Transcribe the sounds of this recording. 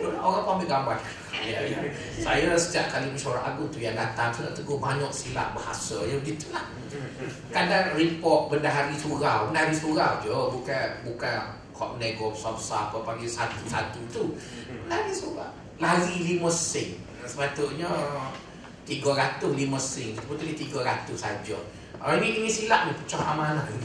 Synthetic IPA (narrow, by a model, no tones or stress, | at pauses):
dulaoɾaŋpambiʔɡamban | jai | sajəsəd͡ʒaʔ̚kaliməʃauɾaʔa̰ɡʊŋt̪ujaŋdat̪aŋsuna̰ʔt̪əɡʊhbaɲɔʔsila̰ʔ̚baha̰sə̰jəɡit̪ulah | kadaŋripɔt̪̚bəndaɦaɾisuɾawənahaɾisuɣawd͡ʒəbukanbukan | kʰɔ̰ʔ̚nɛɡɔsɔfsaapəpaɡisat̪usa̰t̪ut̪uənahaɾisuɾa̰ | laɾiliməsɪŋ | səmat̪uʔɲə | t̪iɡəɾat̪ʊhliməsɪŋd͡ʒit̪upət̪ulit̪iɡəɾat̪ʊhsa̰d͡ʒə̰ | ŋiʔiŋisilaʔnipə̥t͡ʃɔha̰malah